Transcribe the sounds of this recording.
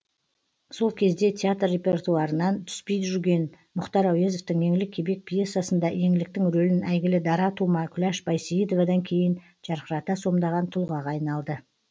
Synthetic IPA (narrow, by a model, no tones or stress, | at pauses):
so̞lˠkʲʰe̞zd̪e̞t̪ʲʰeat̪rːe̞pʲe̞rt̪uɑɾənɑnt̪ʰʏ̥spe̞jt̪ʒʏɾɡʲe̞n | mʊχt̪ɑɾɑwjezo̞ft̪əŋje̞ŋɪlɪkʲʰːe̞be̞k̚pʰje̞sːjasənd̪ɑje̞ŋɪlɪk̚t̪ɪŋɾɵlɪnæjɡʲɪlɪd̪ɑɾɑt̪ʰumɑkʲʰʏlæʃbɑjseid̪ovad̪ɑŋkʲʰe̞jɪn | ʒ̥ɑɾqəɾɑt̪ɑso̞md̪ɑʁɑnt̪ʰʊlˠʁɑʁɑːɑjnɑlˠd̪ə